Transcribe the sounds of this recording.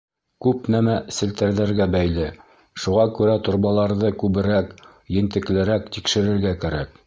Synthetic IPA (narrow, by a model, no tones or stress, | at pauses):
kʉpnæmæsɘ̆lt̪æ̆ɾðæɾɡæbæjlɘ | ʃuʁɑkʉɾæt̪ŏɾbɑlˠɑɾðɤkʉβɘ̆ɾæk | jɘ̆nt̪ɘ̆klɘ̆ɾækt̪ikʃɘ̆ɾɘ̆ɾɡækæɾæk̚